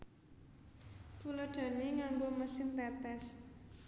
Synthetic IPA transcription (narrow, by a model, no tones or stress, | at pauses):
t̪uləɖ̥ä̤neŋamboməsɪnt̪ɛt̪ɛs